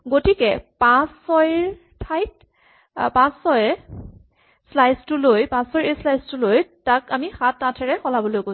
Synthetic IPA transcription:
ɡotikɛpãsɔjɹ | tʰajt | pãsɔj | slajstʊlojpãsɔjeslajstʊlojtakamixatːatʰɛɹɛxɔlabɔlojko

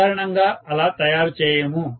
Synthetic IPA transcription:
aːɾɐɳɐŋɡaːɐlaːt̪ɐjaːɾt͡ʃɛːjemu

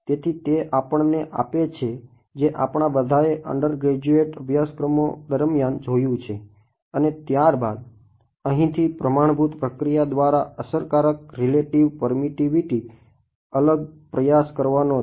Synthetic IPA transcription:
t̪et̪ʰit̪eʔapəɳneʔa̰pet͡ʃʰe | d͡ʒeʔapɳ̃abəd̪ʱaeʔə̰ɳɖəɾɡɾed͡ʒueʈəbʱjaskɾəmo̰d̪əɾmjand͡ʒojũt͡ʃʰe | ənet̪jaɾbad̪ | əɦĩt̪ʰipɾəmaɳ̃bʱut̪pɾəkɾijad̪ʋaɾaəsəɾkaɾək̚ɾileʈiʋpəɾmiʈiʋiʈi | ələɡ̚pɾəjaskəɾʋano

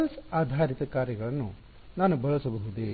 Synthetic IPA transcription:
ɐlsaːd̪ʱaːɾit̪ɐkaːɾjɐɡɐɭɐnːu | naːnubɐɭɐsɐbɐɦud̪e

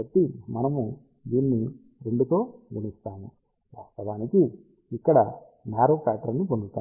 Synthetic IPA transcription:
ɐt̪ːimɐnɐmu | d̪iːnːi | ɾe̞ɳɖut̪o̞ːɡunist̪aːnu | ʋaːst̪ɐʋaːniki | ikːɐɽɐ | naːɾoːkaːt̪ɾɐnːipondut̪ːaː

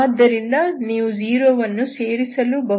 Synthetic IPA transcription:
d̪ɐɾindɐniːʋud͡ʒiːɾoːʋɐnːuseːɾisɐlubʱɐ

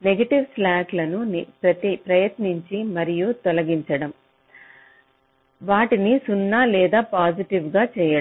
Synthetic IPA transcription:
neɡɐʈiʋslaːklɐnunipɾɐt̪ipɾɐjɐt̪niɲt͡ʃimɐɾijut̪ɔlɐɡiɲt͡ʃɐɽɐm | ʋaːʈinisunːaːlɛːd̪aːpaːd͡ʒiʈiʋɡaːt͡ʃɛːjɐɽ

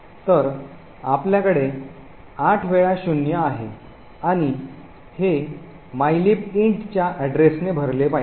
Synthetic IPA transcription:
t̪əɾ | apljakəɽe | aʈʰʋeɭaɕunjaːɦe | aɽ̃i | he | majlipiɳʈt͡ɕjaʔæɖɾesnebʱəɾlepai

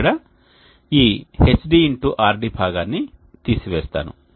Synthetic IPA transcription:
ɽɐ | iːhesɖiːɳʈuʔaːɾɖibʱaːɡaːnːit̪iːsiʋɛːst̪a̰ːnṵ

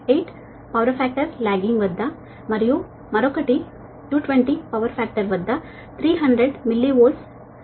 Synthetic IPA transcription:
eːʈ | pɐʋɐɾfæːk̚ʈɐɾlaːɡiŋɡʋɐd̪ʱːɐ | mɐɾiju | mɐɾokɐʈi | ʈuːʈʋeɳʈipɐʋɐɾfʰæːk̚ʈɐɾʋɐd̪ːɐ | t̪ʰɾiːɦɐɳɖɾeɖmilːiʋoːs

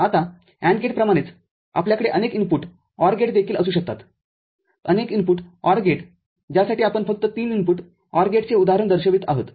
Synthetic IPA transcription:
at̪a | æ̃ɳɡeʈpɾəmaɽ̃et͡s | a̰pljakəɽeʔənekimpuːʈ | ɔɾɡeʈd̪ekʰiːləsuːɕək̚t̪at̪ | ə̰nekimpuːʈɔɾɡeʈ | d͡ʑjasaʈiːapəɳfək̚t̪ət̪iːnimpuːʈ | ɔɾɡeʈt͡seud̪aɦəɾəɳd̪əɾɕəʋiːt̪aɦot̪

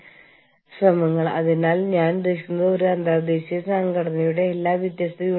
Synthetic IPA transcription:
srɐmɐŋːɐɭɐ̰ðinaːlɲaːndeɕkunːɐðoɾuɐnd̪ʱad̪e̞ːɕijɐsaŋɡɐɽɐnɐjuɽe̞ːlːaːʋjid̪jaːst̪ɐju

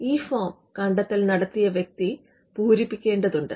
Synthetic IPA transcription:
iːfoːm | kɐɳɖɐt̪ːilnɐɽɐt̪ːijɐʋjek̚t̪i | puːɾipːikʲːe̞ːɳɖɐðuɳɖɨ

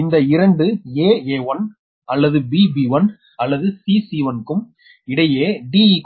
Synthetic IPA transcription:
ɪnd̪ɐɪɾɐɳɖɯeːeːʋɐn | ɐlːɐðɯbiːbiʋɐn | ɐlːɐðɯsiːsiʋɐnkɯm | ɪɽɐjeːɖiːik

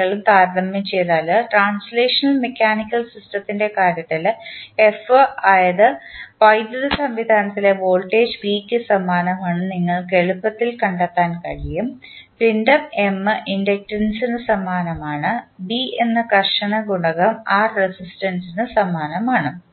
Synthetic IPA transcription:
ɐɭumt̪aːɾdɐmjɐmt͡ɕejðaːlɐʈraːnsleːʂɐnɐlmekʲːaːnikʲːɐlsisʈɐt̪ːinde̞kaːɾjɐt̪ːile̞fɨaːjɐðɨpɐjd̪ɐðɐsɐmʋid̪ʱaːnɐt̪ːile̞ʋoːlʈeːd͡ʑbiːkʲːɨsɐmaːnɐmaːɳɨniŋːɐɭke̞ɻupːɐt̪ːilkɐɳɖɐt̪ːaːnkɐɻijum | pindɐme̞mːɨʔindɐk̚ʈrɐnsinɨsɐmaːnɐmaːɳɨbienːɨkɐrʂɐɳɐɡuɳɐɣɐmaːrːesisʈɐnsinɨsɐmaːnɐmaːɳɨ

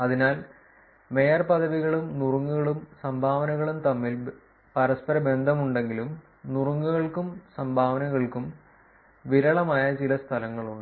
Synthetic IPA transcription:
ɐðinaːl | me̞jɐrpɐðɐʋiɣɐɭumnuruŋːuɣɐɭumsɐmbʱaːʋɐnɐɣɐɭumt̪ɐmːil | pɐɾɐspɐɾɐbe̞nd̪ʱɐmuɳɖe̞ŋɡilum | nuruŋːuɣɐɭkumsɐmbʱaːʋɐnɐɣɐɭkum | ʋiɾɐɭɐmaːjɐt͡ɕilɐst̪ʰɐlɐŋːɐɭuɳɖɨ

